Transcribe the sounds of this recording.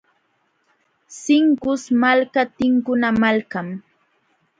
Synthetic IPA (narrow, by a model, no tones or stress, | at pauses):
sɪŋkʊsmalkat̪ɪŋkʊnamalkam